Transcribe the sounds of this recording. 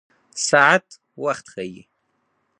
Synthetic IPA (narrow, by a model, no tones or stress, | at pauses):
saʕatʰʼ | waχʲtʰχajḭ